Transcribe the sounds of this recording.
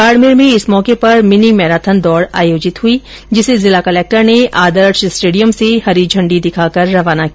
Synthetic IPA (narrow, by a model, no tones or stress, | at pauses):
kaːɾmeːɾmẽɪsmɔːkepɐɾmɪnimɛːɾaːt̪ʰənd̪ɔːɾa̰ːjoːd͡ʒɪt̪ɦui | d͡ʒɪsezɪlakɐleːk̚ʈəɾneʔaːd̪əɾʃsʈeːɖijəmsehɐɾid͡ʒʱɐ̃ɳɖid̪ɪkʰaːkɐɾːɐʋaːnaki